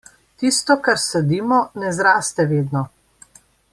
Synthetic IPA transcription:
t̪iːst̪ɔkaɾsɛd̪iːmɔnɛzɾaːst̪ɛʋeːd̪nɔ

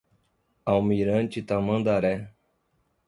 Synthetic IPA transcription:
awmiɾə̃nt͡ʃit̪amə̃nd̪aɾɛ

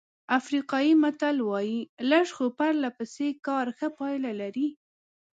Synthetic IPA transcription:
afɾiqɑjimat̪alwɑjilaʂxopaɾlapəsekɑɾxəpɑjlalaɾi

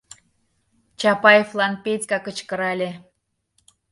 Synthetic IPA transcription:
t͡ɕɑpɑjeflˠɑnpetʲkɑkət͡ɕkə̆ɾɑlʲe

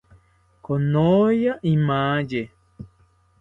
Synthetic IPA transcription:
konojaʔimãd͡ʒe

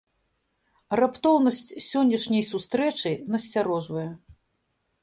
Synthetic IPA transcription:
rapt̪ɔwnɐsʲt͡sʲsʲɔnʲːɐʂnʲɐjsust̪ɾɛt͡ʂɨnɐsʲt͡sʲaɾɔʐvɐjɛ

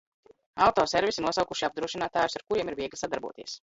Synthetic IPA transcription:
awt̪ɔːsɛɾvʲisinuɔsawkuʃiab̚d̪ɾuɔʃinaːt̪aːjusaɾkuɾiɛmiɾviɛɡlʲsad̪aɾbṵɔt̪iɛs

